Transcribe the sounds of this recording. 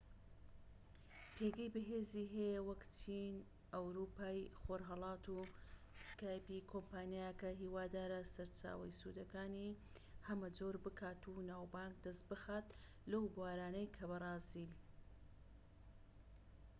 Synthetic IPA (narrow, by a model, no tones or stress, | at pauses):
pʰeɡɐjbɨɦeːziɦejwɐkt͡ʃʰin | ʔɐwɾuːpaːjxoːɾɦɐlˠɑːt̪u | skaːjpikʰompaːnijajɐkɐɦiːwaːd̪aːɾɐsɐɾt͡ʃa̰ːwɐjsṵd̪ɐkaːni | hɐmɐd͡zoːɾbɨkʰaːt̪unaːwbaːŋk̚d̪ɐst̪bɨxaːt̪ | lɐwbwaːɾaːnɐjkʰɐβɐrˤɑːzil